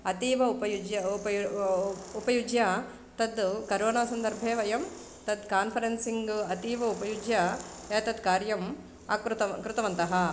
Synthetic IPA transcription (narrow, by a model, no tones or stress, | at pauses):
ɐt̪iːʋɐupɐjud͡ʒjɐpɐ | upɐjud͡ʒja | t̪ɐd̪kɐɾoːnaːsɐnd̪ɐɾbʱeːʋɐjɐm | t̪ɐd̪kaːnpʰɐɾensiŋɡɐt̪iːʋɐupɐjud͡ʒjɐ | eːt̪ɐd̪kaːɾjɐm | ɐkɾt̪ɐkɾut̪ɐʋɐnt̪ɐɦɐ